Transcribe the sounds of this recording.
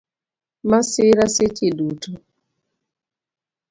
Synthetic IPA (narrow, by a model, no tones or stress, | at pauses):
masɪɾasɪt͡ʃidutu